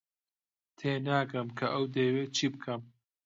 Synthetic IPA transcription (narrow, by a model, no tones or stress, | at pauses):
t̪ʰeːnaːkɐmkʰɐʔɐwd̪eːweːt͡ʃʰiːbɨkʰɐm